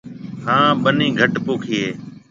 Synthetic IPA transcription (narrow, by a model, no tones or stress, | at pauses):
ɦãːɓənĩːɡʱəʈpoːkʰiːɦeː